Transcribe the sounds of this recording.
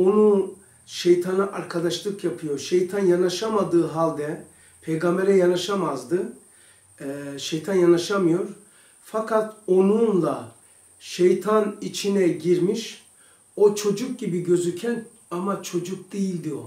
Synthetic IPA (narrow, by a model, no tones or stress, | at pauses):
o̞nu | ʃejt̪ʰanaʔaɾkʰad̪aʃlˠɯkjapʰɯjo̞ɾʃejt̪ʰanjanaʃamad̪ɯːɦalʲˠd̪ɛ | pʰejɡambɛɾɛjanaʃamazd̪ɯ | ʃejt̪ʰanjanaʃamɯjo̞ɾ | fakʰat̪o̞nunlˠa | ʃejt̪ʰanit͡ʃʰinɛɟiɾmiʃ | o̞t͡ʃʰo̞d͡ʒuk̚ɟibiɟø̞zycʰɛn | amat͡ʃʰo̞d͡ʒuk̚d̪̥ijilʲd̪io